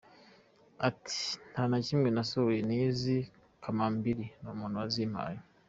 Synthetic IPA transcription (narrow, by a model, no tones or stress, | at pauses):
atʰi̥n̥hʰanacimŋenasojenizi | kʰamambiɾinuːmuːnuwazim̥ha̰jo